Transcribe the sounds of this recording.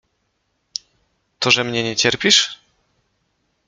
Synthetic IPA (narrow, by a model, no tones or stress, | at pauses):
t̪ɔʐɛmɲɛɲɛt͡ɕɛɾpʲiʂ